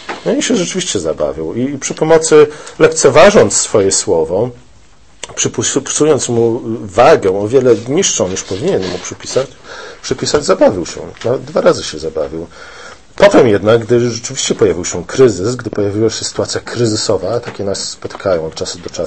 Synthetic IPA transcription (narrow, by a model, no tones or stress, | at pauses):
nɔiɕɛʐɛt͡ʂɘvʲiɕt͡ɕɛza̰ba̰vʲiwipʂɘpɔmɔt̪sɘlɛk̚t̪sɛvaʐɔnt̪sːfɔjɛswɔvɔ | pʂɘpuspu̥sujɔnt̪smuvaɡɛ̃ɔvʲjɛlɛɲiʂʂɔ̃w̃ɲiʂpɔvʲiɲɛnmupʂɘpʲisat͡ɕpʂɘpʲisad͡ʑzabavʲiwɕɛ̰navɛd̪d̪vaɾazɘɕɛzaba̰vʲiw | pɔt̪ɛmjɛd̪naɡ̚ɡd̪ɘʐɛt͡ʂɘvʲiɕt͡ɕɛpɔjavʲiwɕɛkɾɘzɘsɡd̪ɘpɔjavʲiwaɕɛsɘ̥t̪uat̪sʲjakʰɾɘzɘsɔvat̪akʲɛnasːpɔt̪ɘ̥kʰajɔ̃w̃ɔt̪t͡ʂasud̪ɔt͡ʂa